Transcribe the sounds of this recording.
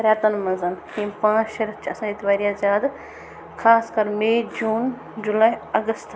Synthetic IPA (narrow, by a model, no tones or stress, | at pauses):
ɐɾʲjaːt̪ɐnmɐ̃nzɐnhĩːpãːʃɐɾɐt͡ʃʰɐsãːd͡ʒit̪baːɾiaːzaːd̪ | kʰaːskɐɾmeːd͡ʒuːn | d͡ʒulaːjɐɡəst̪ʰ